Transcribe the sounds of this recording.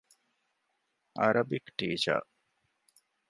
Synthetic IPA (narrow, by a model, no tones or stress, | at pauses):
ɐɾɐbikʈiːt͡ʃa̰